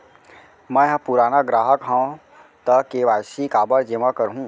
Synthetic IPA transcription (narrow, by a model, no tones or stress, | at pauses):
mə̃jɦpuɾaːnaɡɾaːɦəkɦə̃ | t̪əkːeʋajsikaːbəɾd͡ʒemãkəɾɦũ